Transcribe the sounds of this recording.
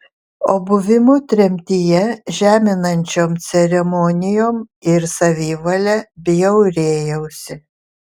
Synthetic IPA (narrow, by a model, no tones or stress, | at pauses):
oːbʊʋʲɪmʊt̪ʲɾʲɛmʲt̪ʲɪjɛʒʲæːmʲɪnɐnʲt͡ʃʲoːmt̪sʲɛɾʲɛmɔnʲɪjoːmɪɾsɐʋʲiːʋɐlʲɛbʲɪjɛʊɾʲeːjɛʊsʲɪ